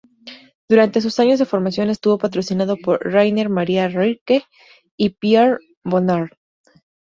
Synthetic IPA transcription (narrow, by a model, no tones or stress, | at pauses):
d̪̥uɾant̪e̞s̬usaɲozðe̞foɾmasjo̞ne̞st̪uβo̞pat̪ɾo̞sinaðo̞po̞ɾrajne̞ɾmaɾiarike | ipjeɾ | bonaɾ